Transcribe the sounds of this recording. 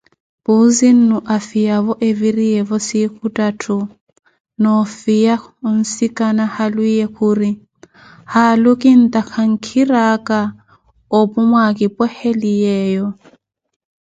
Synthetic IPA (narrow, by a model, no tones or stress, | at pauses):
b̥uzin̩nuʔafijaβɔʔevirijɛβɔsikʰutʼatʰu | nɔfijan̩sikʼanahalwijɛkuːri | halʊkʼɪn̩t̪ʼakʰaŋ̩kʰiɾakʼa | opʼʊmwakʼɪpʼɔhelijɛːjɔ